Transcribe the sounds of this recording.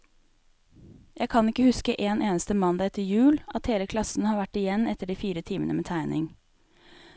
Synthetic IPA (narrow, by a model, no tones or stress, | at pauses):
jæɪkʰɑnɪkːəhʉskəʔeːneːnəst̪əmɑnd̪ɑɛt̪ːəɾjʉːlʔɑt̪heːləkʰlɑsn̩hɑːɾʋæʈːɪjɛnːɛt̪ːəɖiːfiːɾət̪ʰiːmənə̰meːt̪ʰæɪnʔɪ̰ŋ